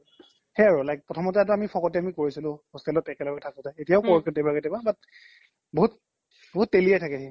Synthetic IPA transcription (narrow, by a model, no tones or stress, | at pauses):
hɛaɹʊlajk̚pɹɔtʰɔmɔtɛatʊamipʰɔkɔtɛamikoɹisilʊ̃hostɛlɔtɛkɛlɔɡɛtʰakɔtɛetijaʊkɔɹkitɛbaɡɛtɛbabat̚ | boɦut | boɦutːeliɛtʰakɛɦɛ